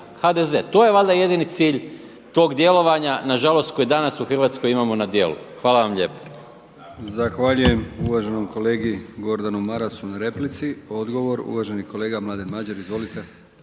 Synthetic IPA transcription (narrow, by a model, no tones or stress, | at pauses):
xad̪eze̞ːt̪o̞ːjeʋald̪aje̞d̪init̪siːʎ | t̪o̞ːɡd̪je̞lˠo̞ʋaɲanaʒalˠo̞st̪̚ko̞jd̪anasuxr̩ʋaːt̪sko̞jimamo̞nad̪je̞̰lˠṵxʋaːlaʋamʎe̞̰po̥ | zaxʋaʎuje̞muʋaʒenomko̞leːɡiɡo̞ɾd̪anumaɾasunaɾe̞plit̪sio̞d̪ɡo̞ʋo̞ɾṵʋaʒeniko̞leːɡamlaːd̪enmad͡ʑeɾizʋo̞lit̪e